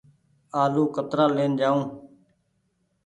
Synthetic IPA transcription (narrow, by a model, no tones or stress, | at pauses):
aːluːkət̪ɾaːleːnd͡ʒaːũː